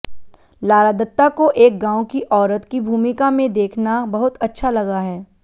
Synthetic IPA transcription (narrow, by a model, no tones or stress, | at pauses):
laːɾad̪ət̪ːakoʔeːk̚ɡãːõkiʔɔːɾət̪kibʱuːmɪkamẽd̪eːkʰnabɐɦʊt̪ɐtːʃʰalɐɡaɦɛː